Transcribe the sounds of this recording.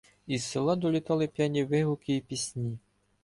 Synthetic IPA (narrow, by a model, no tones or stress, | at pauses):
isːɪlˠɑd̪ɔlʲit̪ɑlˠɪpʲjanʲiʋɪɦʊkɪipʲisʲnʲi